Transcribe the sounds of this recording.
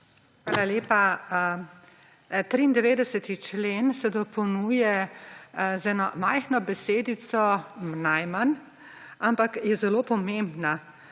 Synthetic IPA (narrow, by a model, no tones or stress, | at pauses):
xʋaːlaleːpa | t̪ɾiːnd̪ɛʋeːd̪ɛsɛt̪it͡ʃleːnsɛd̪ɔpɔwnuːjɛ | zɛnɔmajxnɔbɛseːd̪isɔnajman | ampakjɛzɛloːpɔmẽmbna